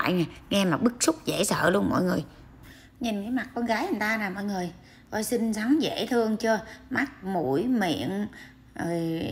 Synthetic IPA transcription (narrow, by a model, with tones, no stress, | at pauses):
a̰ː˧˨jnaː˨˩ŋɛ˧maː˨˩ɓɨ˦˥k̚su˦˥k͡p̚zḛ˧˩sə̰ː˧˨lu˧ənmɔ̰˧˨jŋɨ˨˩əj | ɲi˨˩nkə˨˦jma˨˩t̚kɔ˧nɣaː˨˦jʔə˨˩nt̪aː˧naː˨˩mɔ̰˧˨jŋɨ˨˩əj | kɔ̰˧˩jsï˧nsa˨˦ŋzḛ˧˥t̪ʰɨ˧əŋt͡ɕɔ˧ma˦˥t̚mu˧˩jmḭ˧˨ən | o˨˩j